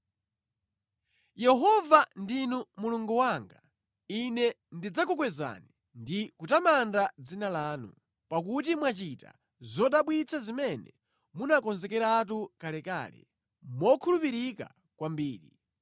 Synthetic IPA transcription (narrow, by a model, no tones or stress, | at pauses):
jɛɦɔvandinumuluŋɡuwaːŋɡa | inɛ | ndid͡zakukwɛza̰ni | ndikutamandad͡zinalaːnṵ | pak̬ut̬imwat͡ʃita̰ | zɔɗaɓwit͡sʰazimɛnɛ̰ | munakɔnzɛkɛɾat̬ukalɛka̰ːlɛ̰ | mwɔkʰulupiɾika̰ | kwambiːɾḭ